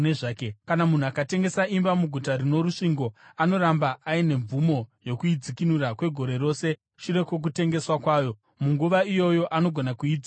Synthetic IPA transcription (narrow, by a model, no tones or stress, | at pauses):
neʐaːkekanamun̤uakate̞ŋɡe̞saimbamuɡʱutaɾino̞ɾuʂiŋɡo̞ano̞ɾambaʔːine̞ɱvumo̞jo̞kuid͡zikinuɾakwe̞ɡʱo̞ɾe̞ɾo̞ːse̞ | ʃuɾe̞kwok̬ute̞ŋɡe̞swakwaːjo̞ | muŋɡuʋaijo̞jo̞ʔano̞ɡʱo̞nakuiːd͡z